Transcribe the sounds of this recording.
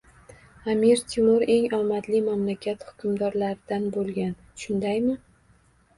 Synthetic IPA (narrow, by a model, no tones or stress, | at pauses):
amiɾt̪ʰɪmʊɾe̞ŋɒmat̪limamlakʲʰat̪hʊ̥kʲʰʊmd̪ɒɾlaɾɪd̪̥anbolˠɡʲan | ʃʊnd̪ajmɪ